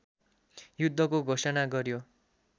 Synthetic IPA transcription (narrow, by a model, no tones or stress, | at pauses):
jud̪ʱːʌkoɡʱosʌnaɡʌɾjo